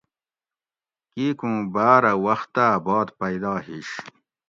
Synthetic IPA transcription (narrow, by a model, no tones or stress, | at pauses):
kikũːbaːɾɐwɐxt̪ːaːbɑːd̪pɐjd̪aːhiɕ